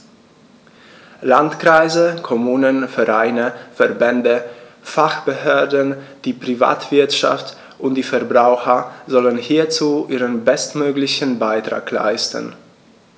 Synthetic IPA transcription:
lantkʁ̥aɪzəkʰɔmuːnənfɛʁaɪnəfɛɐbɛndə | faχb̥əhøːɐdn̩d̥iːpʁ̥iva̰ːtv̥ɪɐtʃa̰ft | ʔʊntd̥iːfɛɐbʁaʊxɐzɔlənhiːɐt͡suːʔiːʁənbɛstmøːɡlɪçən̩baɪtʁ̥a̰ːkla̰ɪstə̰n̩

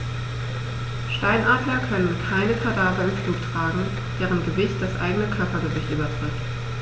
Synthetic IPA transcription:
ʃtaɪnʔaːdlɐkʰœnənkʰaɪnəfʰaɐdaːbɐɪnfl̥uːftʁ̥aːɡŋ̩ | d̥eːʁənɡəvɪçt̚d̥asʔa̰ɪɡənəkʰœɐpɐɡəvɪçtʔyːbɐtʁ̥ɪft

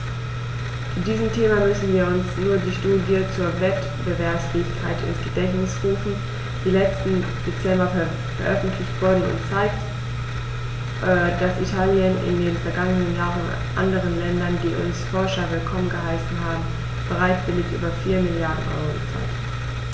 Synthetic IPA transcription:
ud̥iːzəmtʰeːmamʏsn̩viːɐʊnsnuːɐdiːʃtuːdjət͡suːɐvɛt | b̥əvɛɐpsfeːkʰaɪtʔɪ̰nsɡ̥ədɛçnɪsʁuːfn̩ | d̥iːlɛt͡stn̩d̥et͡sɛmbɐ | fɛɐʔœfn̩tʰlɪçtv̥ʊɐdn̩ʊ̰ntt͡saɪk̚t | ʔɛd̥asʔitʰaːljənɪ̰ndeːnfɛɐɡaŋənənjaːʁən̩ | ʔa̰ndəʁ̞ənlɛndɐndiːʔʊ̰nsfɔɐʃɐvɪlkʰɔmənɡəɦalsn̩ɦaːbm̩ | b̥əʁaɪtv̥ɪlɪçʔy̰ːbɐfiːɐmɪljaɐdn̩ʔɔ̰ʏʁot͡sa̰ɪk

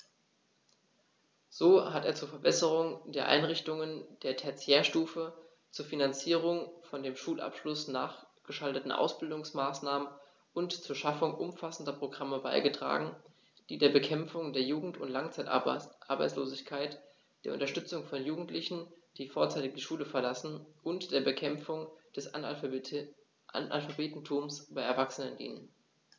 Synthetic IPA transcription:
z̥oːhateːɐt͡suːɐfɛɐbɛsəʁ̞ʊŋdeːɐʔa̰ɪnʁɪçtʊŋənd̥eːɐtʰɛɐt͡sjeːɐʃtuːfə | t͡suːɐfinant͡siːʁ̞ʊŋfɔndeːmʃuːlʔa̰pʃlʊsnaːχɡ̥əʃaltətn̩ʔa̰ʊsb̥ɪldʊŋsmaːsnaːmən | ʊntt͡suːɐʃafʊŋʔʊmfasn̩dɐpʁ̥oɡʁaməba̰ɪɡətʁ̥a̰ːɡŋ̩ | d̥iːdeːɐbəkʰɛmfʊŋdeːɐjuːɡŋ̩tʊntlaŋt͡saɪtʔa̰ɐba̰ɪt͡sloːzɪçkʰaɪt | d̥eːɐʔʊ̰ntɐʃtʏt͡sʊŋfɔnjuːɡŋ̩tlɪçn̩d̥iːfoːɐt͡saɪtɪk̚diːʃuːləfɛɐlasn̩ʔʊntd̥eːɐbəkʰɛmfʊŋd̥ɛs | nʔa̰lfabeːtn̩tʰuːmsb̥aɪɛɐvaksənəndḭːnə̰n

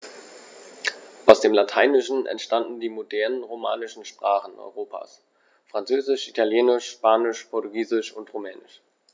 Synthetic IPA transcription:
ʔaʊsd̥eːmlatʰaɪnɪʃn̩ɛ̰ntʃtandn̩diːmodɛɐnənʁoma̰ːnɪʃn̩ʃpʁ̥aːχn̩ʔɔ̰ʏʁoːpʰa̰ːs | fʁ̥ant͡søːzɪʃʔitʰaljeːnɪʃʃpaːnɪʃpʰɔɐtuɡiːzɪʃʊntʁomɛːnɪʃ

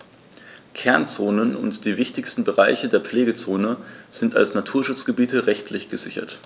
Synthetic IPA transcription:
kʰɛɐnt͡soːnənʊ̰ntd̥iːvɪçtɪçstn̩bəʁaɪçədeːɐpp͡fleːɡət͡soːnəz̥ɪnta̰lsnatʰuːɐʃʊt͡sɡ̥əbiːtəʁɛçtʰlɪçɡ̥əzɪçɐ̰t

